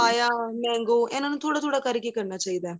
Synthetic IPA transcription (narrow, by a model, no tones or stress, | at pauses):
aːjaːmeːŋɡoːʔenːɐnːũt̪uːɽɐt̪uːɽɐkɐɾɪkʲːekːɐɳːɐt͡ʃɛjd̪ẽː